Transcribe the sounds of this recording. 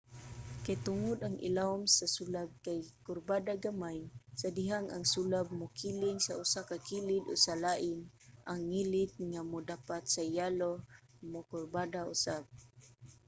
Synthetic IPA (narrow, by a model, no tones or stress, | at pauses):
kajt̪ʊŋʊd̪aŋḭlaʊmsasulab̚kajkʊrbadaɡamajsadiɦaŋaŋsulab̚mʊkilɪŋsaʊsakakilɪd̪o̰salaʔɪnʔaŋːilɪt̪̚ŋamʊdapat̪sajalomʊkʊrbadaʊsab̚